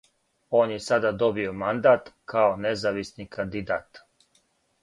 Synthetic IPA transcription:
oːnjesad̪ad̪o̞bio̞mand̪aːt̪kʰaonezaʋisnikand̪id̪aːt̪

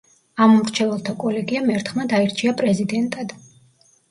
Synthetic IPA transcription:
amɔmɾt͡ʃʰɛvɛlˠt̪ʰakʼɔlɛɡiamɛɾt̪ʰχmad̪aiɾt͡ʃʰiapʼɾɛzid̪ɛnt̪ʼad̪̥

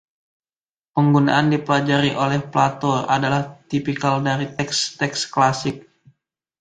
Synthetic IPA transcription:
pəŋɡuna̰ʔandipəlad͡ʒaɾiʔolɛhplat̪ɔra̰dalaht̪ipikaldaɾit̪ɛkst̪ɛksklasɪk̚

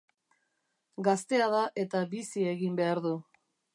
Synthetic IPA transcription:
ɡast̪e̞að̞aʔe̞t̪aβisie̞ɣimbe̞aɾðu

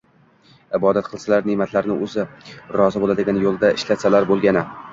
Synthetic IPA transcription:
ɪbɒd̪at̪qʰɨlˠsalaɾnɪmat̪laɾnɪʔɵzɪɾɒzɪbolad̪ɪɡʲanjolˠd̪aʔɪʃlat̪salaɾbolˠɡʲanɪ

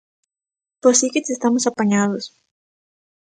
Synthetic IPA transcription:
posikit̪sest̪amosapaɲaðos

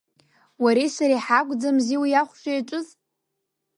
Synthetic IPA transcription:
waɾejsaɾeħakʷʼd͡zamziwjaχʷʃʷajaʈ͡ʂʷʼʊz

